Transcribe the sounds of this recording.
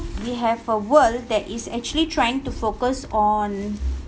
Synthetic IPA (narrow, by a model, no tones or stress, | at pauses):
wiɦɛvəwəldɛtɪsɛk̚t͡ʃuəlitʰɹajɪ̃ŋtufokəsɔ̃n